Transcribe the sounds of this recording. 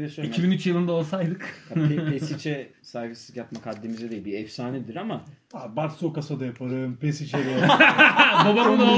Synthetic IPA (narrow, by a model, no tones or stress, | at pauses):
ɛsøicʰibinyt͡ʃjɯlˠɯnd̪ao̞lˠsajd̪ɯkesit͡ʃʰɛ | saːjfesizjapmakʰad̪ːemizɛd̪ejilʲbiɛfsaːnid̪iɾama | abaɾsokasad̪ajapʰaɾɯmpesit͡ʃʰɛd̪ea | d̪obaɾɯno